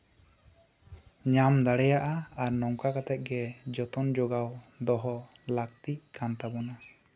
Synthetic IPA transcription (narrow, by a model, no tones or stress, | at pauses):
ɲamd̪aɽɛjaʔaaɾnɔŋkakat̪ɛt̪̚ˀɡɛd͡ʒɔt̪ɔnd͡ʒɔɡawd̪ɔɦɔ | lakt̪iʔkant̪abɔna